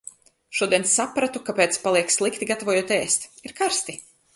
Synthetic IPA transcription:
ʃuɔd̪iɛnsːapɾat̪ukapeːt̪spalˠiɛkslˠikt̪iɡat̪avɔjuɔt̪ɛːst̪iɾkaɾst̪i

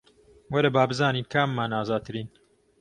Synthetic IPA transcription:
wɐɾɐbaːbɨzaːniːnkʰaːmːaːnaːzaːd̪̚t̪ʰɨɾiːn

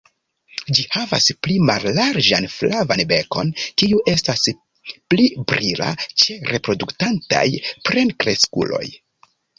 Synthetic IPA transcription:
d͡ʒihava̰splimalːaɾd͡ʒanflʔavanbe̞ko̞nkiuʔe̞stas | plibɾila̰t͡ʃe̞ɾe̞pɾo̞duktanta̰jpɾe̞nkɾe̞skṵlo̞̰j

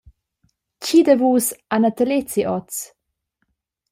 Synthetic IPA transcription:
cid̪əvuːsanat̪əlet͡siʔɔt͡s

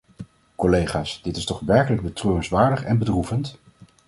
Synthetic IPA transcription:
kɔlejχaːsd̥ɪtɪstɔχʋɛɹkələɡ̚bətrøːənsʋaːɹdəχɛnbədruvənt

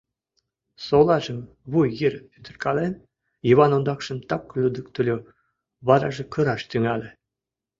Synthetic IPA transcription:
solˠɑʒə̆m | βujjiɾyt̪ʰə̆rʲkɑlen | jiβɑnond̪ɑkʃə̆mt̪ɑkːlʲud̪ə̆k̚t̪ulʲo | βɑɾɑʒĕkɤ̆ɾɑʃt̪yŋɑlʲĕ

